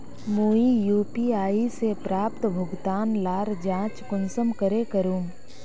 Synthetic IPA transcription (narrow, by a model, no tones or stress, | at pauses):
moːijuːpiaːisepɾaːp̚t̪bʱʊɡt̪aːnlaːɾd͡ʒãːt͡ʃkʊnsəmkəɾekəɾuːm